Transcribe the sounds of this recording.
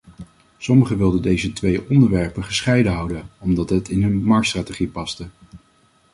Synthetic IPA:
sɔməχəʋɪlˠdədejzətʋejʔɔndəɹʋɛɹpəχəsχɛjdəɦɑwdənɔmdɑtɦətʰɪnɦɵnmɑɹk̚tstraːtəχipɑstə

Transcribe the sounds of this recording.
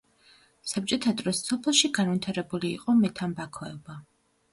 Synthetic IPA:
sab̚t͡ʃʼɔt̪ʰad̪ɾɔsːɔpʰɛlˠʃiɡanvit̪ʰaɾɛbulḭːqʼɔmɛt̪ʰambakʰɔɛba

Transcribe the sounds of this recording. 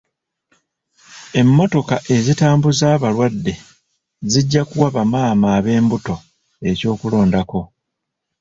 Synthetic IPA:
e̞mːo̞to̞kaʔe̞zitaːmbuzaːβalwadːe̞ | ziɟːakuwaβamaːmaːβe̞ːmbuto̞ | e̞co̞ːkulo̞ːndako̞

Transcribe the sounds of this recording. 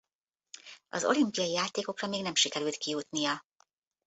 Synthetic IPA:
ɒ̰zo̞̰limpijɒijaːt̪eːko̞krɒmeːɡnɛmʃikɛɾyːlt̪kijut̪nijɒ

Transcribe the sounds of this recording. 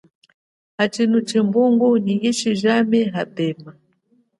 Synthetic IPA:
hat͡ʃinut͡ʃɛmbuŋɡuniiʃiʒamɛɦapɛːma

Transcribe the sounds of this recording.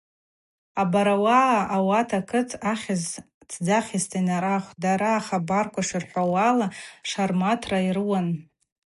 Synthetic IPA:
abaɾawaʔawatʰakʰɨtʰaχʲɪz | t͡sʰd͡zaχʲɪstʰinaɾaχʷdaɾaːχabarkʷaʂɨrħʷawalaʂarmatʰrairɨwan

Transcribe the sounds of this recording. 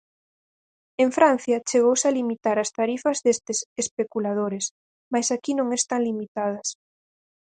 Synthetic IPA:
eɱfɾan̟θjɐt͡ʃeɣowsalimit̪aɾɐst̪aɾifɐzðest̪esespekulað̞oɾes | majsakinõŋest̪aŋlimit̪að̞ɐs

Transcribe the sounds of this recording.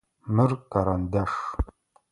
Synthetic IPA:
mɨrkaɾand̪aʂ

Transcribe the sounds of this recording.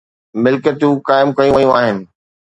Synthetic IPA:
mɪlkət̪ũkaːɪmkɐjũʋɐjũaːɦɪnɪ̆

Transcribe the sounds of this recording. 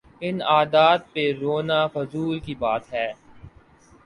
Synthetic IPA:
ɪnaːd̪aːd̪̚peɾoːnaːfɐzuːlkibaːt̪ɦɛː

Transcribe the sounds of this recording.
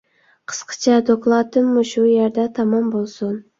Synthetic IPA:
qʰə̥sqʰə̥t͡ʃʰɑd̪oklˠɑt̪ɨmːuʃujeɾd̪ɛt̪ʰɑmɑmbolˠsun

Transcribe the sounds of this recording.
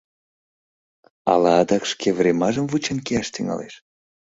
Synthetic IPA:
ɑ̰lɑːd̪ɑkʃkʰevrʲemɑʒəmvut͡ɕenkeɑʃt̪yŋɑ̰lḛʃ

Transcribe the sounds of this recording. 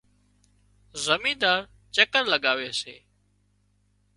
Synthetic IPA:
zəmĩːd̪aːɾ | t͡ʃəkəɾləɠaːʋeːsḛː

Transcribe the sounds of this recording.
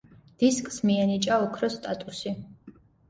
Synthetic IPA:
d̪̥iskʼsmiɛnit͡ʃʼaɔkʰɾɔst̪ʼat̪ʼusi

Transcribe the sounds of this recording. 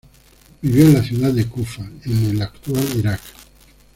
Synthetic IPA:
biβiolaθjuðaekufaenelakt̪ualiɾak

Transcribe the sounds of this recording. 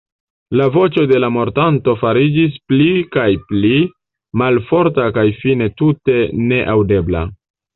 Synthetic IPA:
lavo̞t͡ʃo̞de̞lamo̞ɾtanto̞faɾid͡ʒis̬plikajpli | malfo̞ɾtakajfine̞tute̞ne̞ʔawde̞bla̰

